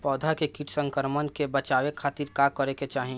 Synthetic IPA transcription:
pɔːd̪ʱakekiːʈʰsə̃ŋkəɾmənkebət͡ʃaːwekʰaːt̪iːɾkakəɾeket͡ʃaːɦĩ

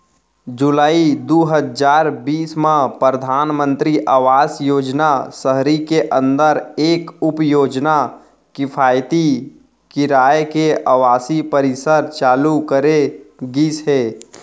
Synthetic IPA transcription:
d͡ʒulaːid̪uɦəd͡ʒaːɾbiːsmãpɾɾəd̪ʱaːnmə̃nt̪ɾiʔaːʋaːsjoːd͡ʒnasəɦɾikeʔə̃nd̪əɾeːkʊpjoːd͡ʒna | kɪpʰaːjt̪i | kɪɾaːjekeəʋaːsipəɾɪsəɾt͡ʃaːlukəɾeɡisɦeː

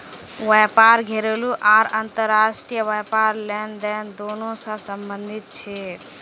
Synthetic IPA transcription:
ʋɛpaɾɡʱeɾeluʔaːɾənt̪əɾːaːsʈijəʋəpaːɾlɛːnd̪ɛːnd̪oːnõsãsəmbənd̪ʱit̪̚t͡ʃʰe

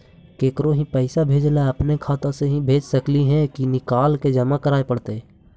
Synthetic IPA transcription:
keːkɾoɦĩpɛɪsabʱeːd͡ʒlaəpnekʰaːt̪õseɦĩbʱeːd͡ʒsəkliɦɛ̃kinɪkaːlked͡ʒəmakəɾaːepəɽt̪e

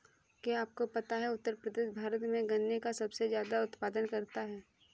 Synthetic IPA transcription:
keaːp̚kopɐt̪aɦɛʊt̪ːəɾpɾəd̪eːʃbʱaːɾət̪mẽɡɐnːekasɐbsezjaːd̪aʊt̪paːd̪ənkɐɾt̪aɦɛː

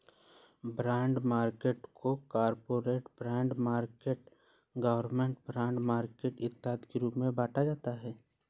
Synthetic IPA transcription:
bɾɛ̃ːɳɖmaːɾkeːʈkʰokaːɾpoːɾeːʈbɾɛ̃ːɳɖmaːɾkeːʈ | ɡəʋəɾmẽɳʈbɾɛ̃ːɳɖmaːɾkeːʈɪt̪ːaːt̪kiɾuːpmẽbaːʈʰad͡ʒaːt̪aɦɛː

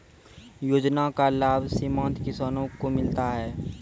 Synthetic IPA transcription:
joːd͡ʒnakalaːbsɪmãːnt̪kɪsaːnõkomɪlt̪aɦɛː

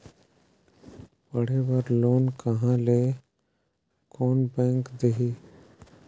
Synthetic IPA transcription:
pəɽ̤ebəɾloːnkəɦãle | kɔːnbɛ̃ːŋkd̪eɦiː

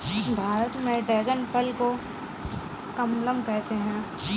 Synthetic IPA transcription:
bʱaːɾət̪mẽɖeːɡənpʰəlko | kɐmləmkɛɦt̪eɦɛ̃ː

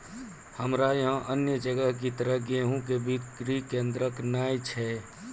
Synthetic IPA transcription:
həmɾajɦãʔənjəd͡ʒəɡəɦkit̪əɾəɦɡeɦũkebikɾikẽnd̪ɾəknajt͡ʃʰɛ

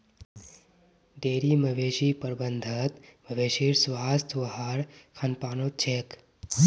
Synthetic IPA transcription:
ɖeːɾimɐʋeːʃipəɾbənd̪ʱɐt̪mɐʋeːʃiːɾsʋaːst̪ʋɐɦaɾkʰɐnpaːnoːt͡ʃʰek

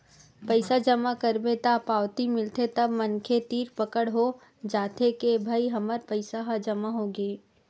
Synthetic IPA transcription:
pəɪsad͡ʒɐmakəɾbet̪apaːʋt̪imɪlt̪ʰet̪ɐbmɐnkʰet̪iːɾpɐkəɽɦo | d͡ʒaːt̪ʰekebʱaːiɦɐməɾpəɪsaɦad͡ʒɐmaɦoɡeː

